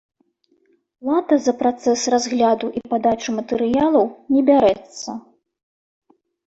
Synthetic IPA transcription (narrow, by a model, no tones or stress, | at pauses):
lˠat̪ɐzɐpɾat̪sɛsrazɣlʲad̪uʔipad̪at͡ʂumɐt̪ɛɾɨjalˠɐwnʲɛbʲaɾɛt̪sːɐ̰